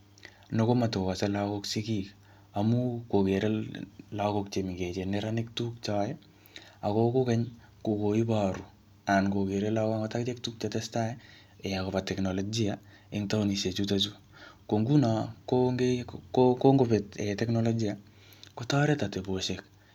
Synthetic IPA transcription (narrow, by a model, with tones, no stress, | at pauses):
no˦ko˦ma˨to˨ka˨se˦la˦ko˦ksi˦ki˦k | a˨mu˦ko˨ke˨ɾe˦la˦ko˦k̚t͡ʃe˨mi˨ɡe˨t͡ʃe˨ne˦ɾa˦nɪk̚tu˦k̚t͡ʃa˦jɛ˦ | a˨ko˦ko˦kɛ˦ɲ | ku˨ko˨i˦pa˨ɾu˨ | a˨nko˨ke˨ɾe˦la˦ka˦ŋo˦ta˦kt͡ʃe˦k̚tu˦k̚t͡ʃatɛ˦sta˦ | e˨ja˨ko˨pa˨tɛ˨kno˨lɔ˨d͡ʒi˦a | ɪ˦ŋta˦u˦ni˨ʃe˨t͡ʃu˦ta˦t̬u˦ | ko˨ŋɡu˦na˨koɡekko˦ŋɡope˨tetɛkno˦lo˦d͡ʒi˦a˨ | ko˦tɔ˦ɾe˦ta˨te˨bo˨ʃek̚